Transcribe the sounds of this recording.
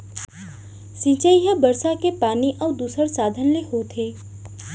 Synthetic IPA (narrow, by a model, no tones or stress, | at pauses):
sĩt͡ʃəiɦəbəɾsakepaːniʔɔːd̪uːsəɾsaːd̪ʱənlehoːt̪ʰeː